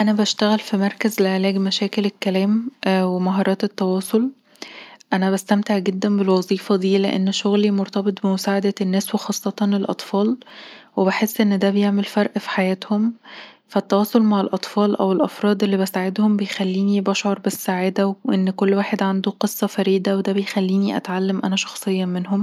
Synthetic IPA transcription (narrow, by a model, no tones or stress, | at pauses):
ʔænæbæʃt̪æɣælfimɑɾˤkæzleʕelæːɡmæʃæːkelekːælæːmʔwemɑɦɑːɾˤɑːt̪et̪ːɑwɑːsˤol | ʔænæbæst̪æmt̪eʕɡed̪ːænbelwɑzˤiːfɑd̪iːlḛʔḛnːʃoɣlimoɾt̪ɑbet̪ˤbemosaːʕad̪ænːæːswexɑːsˤːɑt̪ɑnlelʔɑ̰t̪ˤfɑːlwebeħesːʔenːd̪æbejeʕmelfɑɾˤʔfi̥ħajæːt̪hom | fæt̪ːɑwɑːsˤolmaʕelʔɑt̪ˤfɑːlʔæwelʔɑfɾˤɑːd̪ˤʔelːibæsaʕed̪hombejxælːiːnibɑʃʕoɾˤbesːaʕaːd̪æwʔenːkolːwaːħed̪ʕand̪uqesˤːɑfæɾiːd̪æwed̪æbejxælːiːniʔæ̰t̪ʕalːæmʔæ̰næʃɑ̥xsˤejːɑmenɦom